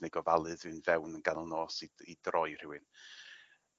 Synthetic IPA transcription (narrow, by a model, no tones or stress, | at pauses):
nɛɡɔvalˠɨðɨːnvɛwnənɡanəlˠnoːsiid̥rʔɔjr̥ɪwɨn